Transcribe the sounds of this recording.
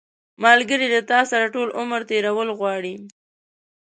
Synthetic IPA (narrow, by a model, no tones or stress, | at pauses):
mɑlɡəɾilat̪ɑsaɾaʈolʔʊməɾt̪eɾawəlɣwɑɽi